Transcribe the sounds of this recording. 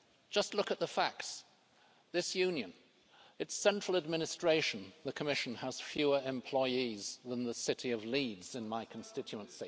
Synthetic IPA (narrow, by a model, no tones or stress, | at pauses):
d̥ʒ̥ʌstˡlʊkɨt̪̚ðəfæk̚ts | ðɪsjʉ̃njɨ̃n | ɨtsɛ̃nt͡ʃɹ̥l̩ˠəd̚mɪ̃nɨstɹ̥eɪʃɨ̃n̩ðɨkʰəmɪʃn̩əz̥fjʉə˞ɨ̃mpʰl̥ɔɪizðə̃nðəsɪɾiʌvlidz̥ɨ̃nmaɪkʰn̩stɪt͡ʃʉə̃nsi